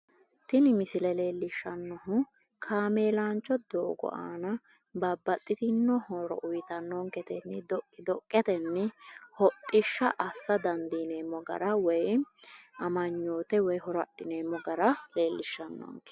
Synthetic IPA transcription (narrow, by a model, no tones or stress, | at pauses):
t̪ɪnɪmɪsɪlɛle̞ːlːɪʃːɐnːɔɦʊ | kʰaːmeːlaːnt͡ʃːɔd̪oːɡɔ̰ʔa̰ːnɐ | bɐbːɐt̪ʼːɪt̪ɪnːɔhɔɾɔ̰ʔʊjt̪ɐnːɔŋkɛt̪ɛnːɛd̪ɔkɪd̪ɔkʼːɛt̪ɛnːɛhɔt̪ʼːɪʃːɐʔɐsːɐd̪ɐnd̪ineːmːɔɡɐ̰ɾɐwɔj | ɐmɐɲːoːt̪ɛwɔjhɔɾɔɐɗɪneːmːɔɡɐɾɐle̞ːlːɪʃːɐnːɔ̰ːŋkɛ̥